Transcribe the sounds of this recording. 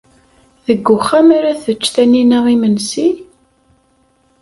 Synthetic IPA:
ðəɡːʊχamaɾaθət͡ʃːθæninaʁimənsi

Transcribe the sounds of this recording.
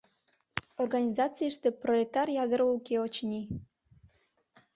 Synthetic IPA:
orɣanʲizɑt͡sɨjəʃt̪eprolʲet̪ɑrjɑd̪əɾəukeot͡ɕnʲi

